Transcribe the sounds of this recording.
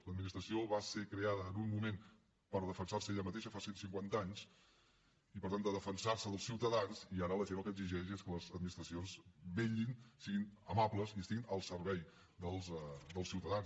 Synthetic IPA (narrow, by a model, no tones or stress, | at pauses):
ləd̪minist̪ɾəsioβasekɾeaðəːnummumen | pəɾðəfənsarsəeʎəmət̪eʃəfasensiŋkwant̪əaɲs | ipəɾt̪and̪əðəfənsaɾsəðəlˠsiwt̪əðanziaɾələʒenəlˠkəɡziʒɛʃeskələzəd̪minist̪ɾəsionzbeʎinsiɣinəmapləziəst̪iɣinəlˠsərβɛj | d̪əlˠzd̪əlˠsiwt̪əðans